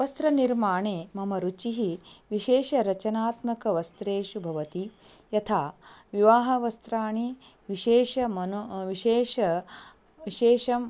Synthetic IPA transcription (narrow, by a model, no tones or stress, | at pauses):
ɐʋɐst̪ɾɐniɾmaːɳeːmɐmɐɾut͡ʃiɦiʋiʃeːʃɐɾɐt͡ʃɐnaːt̪mɐkɐʋɐst̪ɾeːʃubʱɐʋɐt̪i | jɐt̪ʰaːʋiʋaːɦɐʋɐst̪ɾaːɳi | ʋiʃeːʃɐmɐnʋiʃeːʃɐ | iʃeːʃɐm